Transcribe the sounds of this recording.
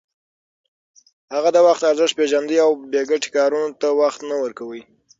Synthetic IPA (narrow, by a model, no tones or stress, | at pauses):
haɣad̪əwaxt̪aɾzɪʃpeʒand̪iawbeɡaʈe̥kɑɾunot̪awaxt̪nawəɾkawəj